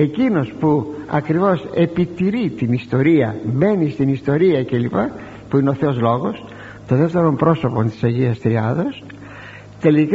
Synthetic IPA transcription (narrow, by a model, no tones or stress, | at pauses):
e̞cino̞spuɐ̰kɾivo̞se̞pit̪iɾit̪inist̪o̞ɾiɐ̰be̞nist̪inist̪o̞ɾiɐcelipɐ | puineo̞θeozlo̞ɣo̞s | t̪oðeft̪eɾo̞mpɾo̞so̞po̞nt̪isɐʝiɐst̪ɾiɐðos | t̪e̞lik